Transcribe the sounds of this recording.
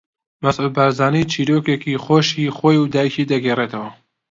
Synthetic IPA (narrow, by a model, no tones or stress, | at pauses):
mɐsʔud̪̚baːɾzaːniːt͡ʃʰiːɾoːkekixoːʃixoːjud̪aːjiciːd̪ɐɡeːret̪ʰɐwɐ